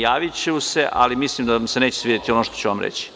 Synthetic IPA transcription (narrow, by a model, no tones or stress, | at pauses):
jaːʋit͡ɕeuseʔa̰limisliːmd̪amseneːt͡ɕe̥sʋiːd̪et̪ionoːʃt̪ot͡ɕuʋamɾḛt͡ɕi̥